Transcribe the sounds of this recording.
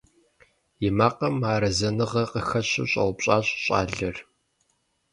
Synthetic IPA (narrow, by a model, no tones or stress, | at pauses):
jɪmaːqɐmaːɾɐzɐnɨʁɐqəxɐɕɪ̰ɕʼɐ̰wpɕʼaːɕɕʼa̰ːɮɐr